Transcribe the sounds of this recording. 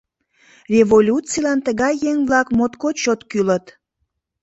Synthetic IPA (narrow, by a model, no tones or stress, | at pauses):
rʲevolʲutt͡silɑnt̪əɣɑjːeŋvlɑkmot̪kot͡ɕot̪kylət̪